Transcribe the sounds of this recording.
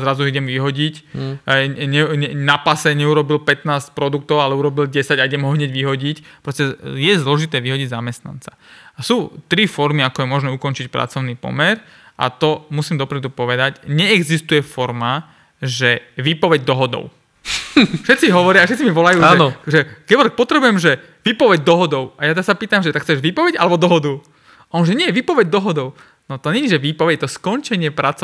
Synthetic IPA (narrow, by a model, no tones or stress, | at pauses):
zɾazuiɟɛmʋiɦɔɟic | ɲɛɲɛnapasɛɲɛuɾɔbilpɛt̪naːsc̚pɾɔd̪uk̚t̪ɔʊalɛuɾɔbilɟɛsaɟaiɟɛmɦɔɦɲɛɟʋiɦɔɟicpɾɔscɛjɛzlɔʒit̪ɛːʋiɦɔɟiɟzamɛst̪na̰nt͡sa | asuːt̪ɾifɔɾmiakɔjɛmɔʒnɛːukɔnt͡ʃicpɾa̰t͡sɔʊnipɔ̰mɛɾ | ʔa̰t̪ɔmusiːmd̪ɔpɾɛd̪upɔʋɛd̪aɟɲɛɛɡzist̪ujɛfɔɾma | ʒɛʋiːpɔʋɛɟ̚d̪ɔɦɔd̪ɔ̰ʊ | fʃɛt̪t͡siɦɔʋɔɾɪafʃɛt̪t͡simiʋɔlajuːaʒɛnɔʒɛkɛɔlɛk̚pɔt̪ɾɛbujɛmʒɛ | ʋiːpɔʋɛɟd̪ɔɦɔd̪ɔʊajat̪ɛɾasapiːt̪amʒɛt̪akxt͡sɛʒʋiːpɔʋɛɟalɛbɔd̪ɔɦɔd̪u | ɔnʒɛɲɪɛjɛʋiːpɔʋɛɟd̪ɔɦɔd̪ɔʊ | nɔt̪ɔɲɛɲid͡ʒʒɛʋiːpɔʋɛɟɛt̪ɔskɔnt͡ʃɛɲɪɛpɾat͡sɔ